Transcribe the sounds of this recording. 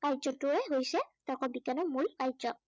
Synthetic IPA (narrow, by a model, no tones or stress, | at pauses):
kajzɔtʊɹɛɦojsɛtɔkɔbikanɔmulkajzɔ